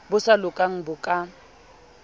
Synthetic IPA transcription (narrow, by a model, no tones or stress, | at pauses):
bʊsalʊkʼaŋ̩bʊkʼa